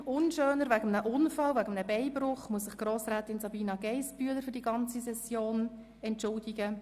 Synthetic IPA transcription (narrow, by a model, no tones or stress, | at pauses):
ʊnʃøːnəɾvæɡəmnəʔʊnfɑlvæɡəmnəbɛɪbrʊχmuəsɪχɡ̥roːsɾæːtɪnsɑbiːnɑɡɛɪspyələɾfʏɾdiɡɑnt͡sisɛsjoːn | ɛntʃʊldɪɡə